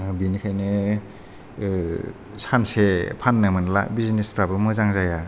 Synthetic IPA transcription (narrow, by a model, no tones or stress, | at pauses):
binikʰajnɯ | sansepʰanːɯmɯnla̰bizinespʰɾabɯmɯzaŋzaja